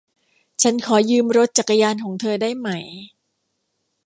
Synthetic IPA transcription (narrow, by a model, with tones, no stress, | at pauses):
t͡ɕʰa˦˥nkʰɔː˩˦jɯː˧mɾo˦˥t̪̚t͡ɕa˨˩kːa˧jaː˧nkʰɔː˩˦ŋt̪ʰɤː˧daː˥˩jma˦˥˩j